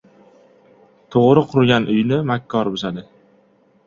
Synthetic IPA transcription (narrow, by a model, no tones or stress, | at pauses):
t̪ʰoʁɾɪqʰʊɾɡʲanʔʊjnɪmakʲʰːɒɾbʊzad̪ɪ